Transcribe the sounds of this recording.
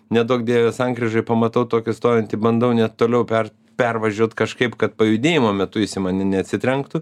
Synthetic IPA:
nʲɛd̪oːkd̪ʲiɛʋʲɛsɐŋɡɾʲɪʒɐɪpɐmɐt̪ɐʊt̪oːkʲɪst̪oːjɛnʲt̪ʲɪbɐnd̪ɐʊnʲɛtt̪ːoːlʲɛʊpʲɛr | pʲɛrʋɐʒʲuɔt̪kɐʃkɐɪpkɐt̪̚pɐjʊd̪ʲeːjɪmoːmʲɛt̪ʊjɪsʲɪmɑnʲɪnʲɛɐt̪ʲsʲɪt̪ʲɾʲɛŋkt̪ʊ

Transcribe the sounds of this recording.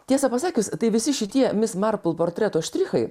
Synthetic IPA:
t̪ʲiɛsɐpɐsɑːkʲʊst̪ɐɪʋʲɪsʲɪʃʲɪt̪ʲiɛmʲɪsmɐɾplˠpoːɾʲt̪ʲɾʲɛt̪oːʃʲt̪ʲɾʲɪxɐɪ

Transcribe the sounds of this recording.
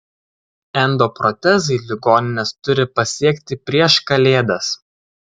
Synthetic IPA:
ɛnd̪oːpɾɔt̪ʲɛsɪlʲɪɡoːnʲɪnʲɛst̪ʊɾʲɪpɐsʲiɛkʲt̪ʲɪpʲɾʲiɛʃkɐlʲeːd̪ɐs

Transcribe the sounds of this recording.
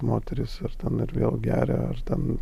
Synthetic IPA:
moːt̪ʲɛɾʲɪsɐɾt̪ʲɛnɪɾʋʲḛːlˠɡʲæːɾʲɛ̰ɐ̰ɾt̪ʲɛn

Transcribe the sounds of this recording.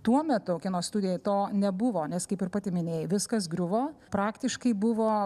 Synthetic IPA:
t̪uɔmʲɛt̪ʊkʲɪnoːst̪ʊd̪ʲɪjɛt̪oːnʲɛbʊʋoːnʲɛskɐɪpɪɾpɑːt̪ʲɪmʲɪnʲeːjʋʲɪskɐs̬ɡɾʲʊʋoːpɾɑːkt̪ʲɪʃkɐɪbʊʋoː

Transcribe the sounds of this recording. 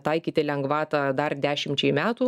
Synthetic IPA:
t̪ɐɪkʲiːt̪ʲɪlʲɛŋɡʋɑːt̪ɑd̪ɐrd̪ʲæːʃʲɪmʲt͡ʃʲɛɪmʲæːt̪uː

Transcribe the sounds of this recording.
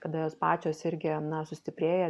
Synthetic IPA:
kɐd̪ɐjoːspɑːt͡ʃʲoːsɪɾʲɡʲɪnɐsʊsʲt̪ʲɪpʲɾʲeːjɛ

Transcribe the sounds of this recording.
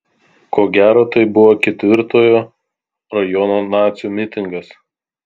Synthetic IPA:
koːɡʲæːɾoːt̪ɐɪbʊʋoːkʲɛt̪ʲʋʲɪɾt̪oːjoː | ɾɐjɔnoːnɑːt̪sʲjuːmʲɪt̪ʲɪŋɡɐs

